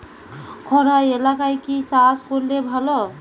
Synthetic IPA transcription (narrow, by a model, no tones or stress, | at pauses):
kʰɔɾaelakajkit͡ʃaskolːebʱəlo